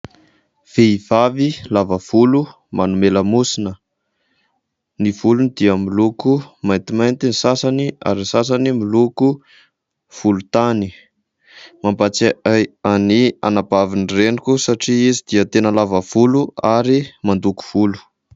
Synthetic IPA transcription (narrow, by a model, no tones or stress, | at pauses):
v̥eiv̥avilavəv̥ulu | manumeləmusinə | niv̥ulunid̪iəmilukumajnt̪imajnt̪inisasania̰ɾinsas̬animiluku | v̥ulut̪ani | mambat͡saaania̰nabavinrenikʲusaʈ͡ʂiizid̪̥iət̪enəlavəv̥uluaɾimand̪uku̥v̥ulu̥